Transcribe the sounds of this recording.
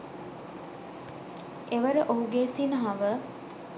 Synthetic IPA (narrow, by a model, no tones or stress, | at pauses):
eʋəɾəʔoɦuɡeːsinəɦɐʋə